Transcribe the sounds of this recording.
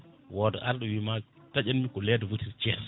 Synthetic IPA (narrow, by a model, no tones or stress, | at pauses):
wɔdɔ̰ʔaɾɗɔwima | tad͡ʒanmikɔlɛdavutiɾt͡ʃɛs